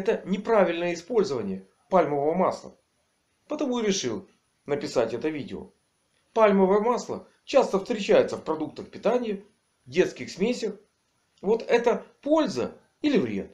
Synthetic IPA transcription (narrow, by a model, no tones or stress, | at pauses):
ɛt̪ənʲɪpɾavʲɪlʲnəjəɪspo̞lʲzəvənʲɪjə | palʲməvəvəma̰slˠə̰ | pət̪ɐmuɾʲɪʂɨlˠ | nəpʲɪsatʲɛt̪əvʲidʲɪo̰ | palʲməvəjəmaslˠə̰ | t͡ɕast̪əfst̪ɾʲɪt͡ɕæjɪt̪səfpɾɐd̪uk̚t̪əxpʲɪt̪anʲɪjɪ | vdʲe̞t̪skʲɪxsmʲesʲəx | vo̞t̪ɛt̪əpo̞lʲzə̰ | ilʲɪvɾʲe̞̰t̪̚